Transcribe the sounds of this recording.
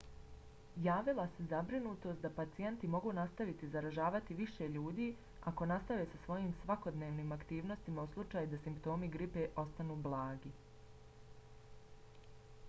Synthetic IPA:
jaːʋilˠasezabɾinuːt̪o̞st̪̚d̪apat̪sije̞nt̪imo̞ɡuːnast̪aʋit̪izaɾaʒaːʋat̪iʋiʃe̞ʎuːd̪iː | ako̞nast̪aʋe̞ːsasʋo̞jiːmsʋako̞d̪ne̞ːʋniːmakt̪iːʋno̞st̪imauslˠut͡ʃaːjud̪asimpt̪o̞ːmiɡɾipe̞ʔo̞st̪anuːblˠaːɡi

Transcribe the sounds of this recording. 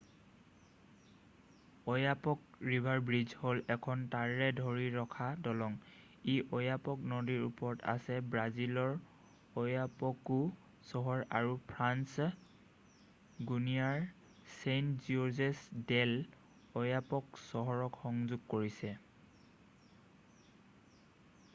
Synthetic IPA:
ɔjapɔk̚ɹibʱaɹbɹizholɛkʰɔntaɹɛdʱɔɹiɹɔkʰadɔlɔŋ | iʔɔjapɔknodiɹṵpɔɹɔta̰sɛbɹazilɔɹ | ɔjapɔku | sɔɦɔɹaɹupʰɹans | ɡunijaɹ | sejntzuzɛsdɛl | ɔjapɔksɔɦɔɹɔkxɔŋzuɡ̚koɹisɛ

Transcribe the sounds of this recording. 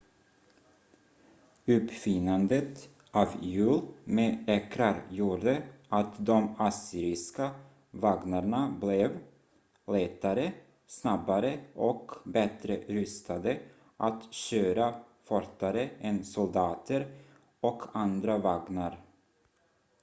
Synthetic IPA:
ɵpfɪnand̪ət̪ | ʔɑːvjʉ̟ːlmeːɛkɾaɾjuːɖəat̪d̪ɔmasiːɾɪska | vaɡnaɳablɛv | lɛːt̪aɾə | snabaɾəʔɔkbɛt̪ɾəɾʏst̪ad̪ə | ʔat̪ɕøːɾa | fɔɾt̪ːaɾəɛnsʊld̪ɑːt̪ʰəɾ | ɔkʰand̪ɾavaɡnaɾ

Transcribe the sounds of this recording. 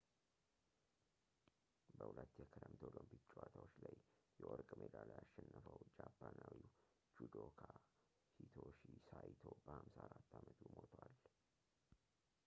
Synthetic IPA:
bəhulət̪ːjɛkʰɨɾəmt̪ʰolompit͡ʃʼːwat̪ʰawot͡ʃːlajjɛwɔɾkʼmʔed̪alajaʃːɛnːəfəwd͡ʒapːanawi | d͡ʒud̪okʰa | hit̪ʰoʃisajt̪ʰobəhamsaaɾat̪ːamət̪ʰumot̪ʰwal

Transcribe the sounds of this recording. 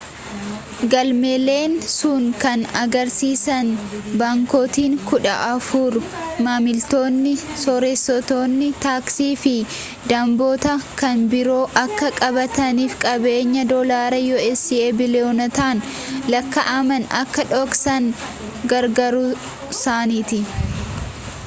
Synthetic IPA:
ɡɐlmeːle̞ːnsuːŋkɐnɐɡɐɾsiːsɐnbaːŋko̞ːt̪iːŋkʊᶑɐ̰ʔɐfuːɾʊmaːmɪlt̪o̞ːnːɪsɔɾesːɔt̪oːnːɪt̪aːksiːfɪ | d̪ɐmboːt̪ɐkɐnbɪɾo̞ːʔɐkːɐkʼɐbɐt̪ɐniːfkʼɐbe̞ːɲːɐd̪oːlaːɾɐjoːɛsieːbɪlɪoːnɐt̪aːn | lɐkːɐʔɐmɐnɐ̰kːɐᶑɔksɐŋ | ɡɐɾɡɐɾʊ | saːniːt̪ɪ

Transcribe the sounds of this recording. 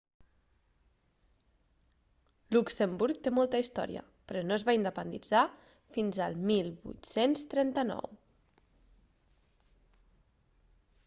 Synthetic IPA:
luksembuɾk̚t̪emɔlˠt̪əist̪ɔ̰ɾḭə̰ | pɾɔnoəzβaind̪əpənd̪id͡za | finzəlˠmilˠβṵt̪senst̪ɾɛnt̪ənɔ̰w

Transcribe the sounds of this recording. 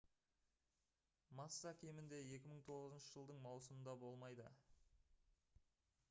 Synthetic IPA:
mɑsːɑkʲʰe̞mɪnd̪e̞e̞kʲɪməɴt̪ʰo̞ʁəzənʃəʒəlˠd̪əɴmɑwsəmənd̪ɑbo̞lˠmɑjd̪ə̰

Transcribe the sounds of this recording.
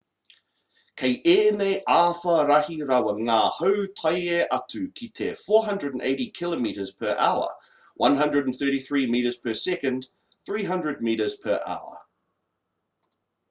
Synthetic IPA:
kʰeɪʔɛneʔaːfəɾahiɾawəŋahəʊtʰajɛʔatʰʉkʰitʰɛfɔːɦʌ̃ndɹədə̃n̩eɪɾikʰɪləmiˑɾəz̥pʰəɹʔa̰ʊə̰ | wʔʌ̃nɦʌ̃ndɹədənθɜːˑɾiθɹiːmiˑːɾəz̥pʰəsɛkə̃nd̪ | θɹiːɦʌ̃ndɹəd̚miˑɾəz̥pʰəɹʔa̰ʊə̰

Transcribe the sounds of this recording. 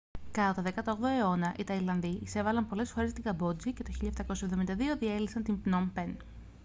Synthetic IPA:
kɐt̪oðe̞kɐt̪ɐoɣðo̞eo̞nɐʔit̪ɐilɐnðiise̞vɐlɐmpo̞le̞sfoɾe̞st̪iŋɡɐbo̞d͡zicet̪o̞çiʎɐft̪ɐko̞sɐe̞vðo̞mind̪ɐðio̞ðielisɐnt̪impnompen

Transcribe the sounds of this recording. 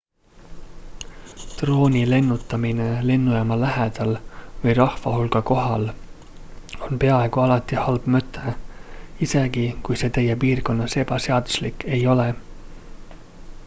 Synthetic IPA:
t̪ro̞ːnʲile̞nːut̪ˑːɑminele̞nːujɑmɑlæɦed̪̥ɑlvɤjrɑhvɑɦulɡ̥ɑko̞ɦɑl | o̞npe̞ɑe̞ɡ̥uɑlɑt̪ːˑihɑlb̥møt̪ʰːˑe | ise̞ɡikujse̞ːt̪e̞jːepiːrko̞nːɑse̞b̥ɑse̞ɑd̪̥uslikːe̞jo̞le

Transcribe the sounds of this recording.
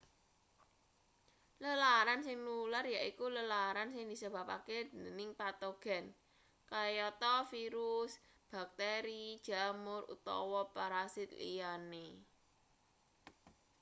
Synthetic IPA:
ləlaɾansɪŋnularjaʔikuləlaɾansɪŋd̪̥isəb̥a̤pa̰kednɪŋpat̪oɡ̥ɛ̤n | kajɔt̪ɔfiɾus | b̥a̤k̚t̪eɾid̥ʒ̥a̤mʊrṵt̪ɔ̰wɔpaɾasɪt̪̚lḭjane

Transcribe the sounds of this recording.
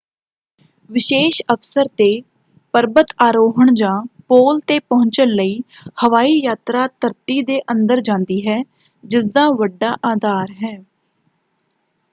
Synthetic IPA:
ʋɪʃeːʃəfsəɾt̪eː | pəɾbət̪aːɾoːɦəɳd͡ʒãːpoːlt̪eːpəɦʊ̃ɲt͡ʃənləiːhəʋaːiːjaːt̪ɾaːt̪əɾt̪iːd̪eːʔə̃nd̪əɾd͡ʒãːnd̪iːɦɛː | d͡ʒɪsd̪aːʋəɖːaːʔaːd̪aːɾɦɛː

